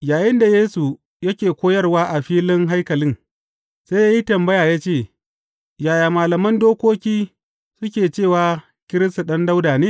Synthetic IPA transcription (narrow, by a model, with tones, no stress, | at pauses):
jaː˨jɪ˦nda˨jeː˦su˨ | jɐ˦kʲeː˨kʷoː˦jɐ˦rwaː˦ʔa˨ɸiː˦lɪ˦ŋɦa˦jkɐ˨lɪ˦ŋ | saː˦jaː˦ji˦tɐ˨mbɐ˦jaː˨jaː˦t͡ʃeː˦˨ | jaː˨jaː˨maː˨lɐ˨mɐ˦ndoː˦kʷoː˦kʲiː˦ | sʊ˦kʲeː˨t͡ʃeː˦˨waː˨ | kʲɪ˦ɾɪ˦sta˨ɗɐ˦nda˦wdaː˨neː˦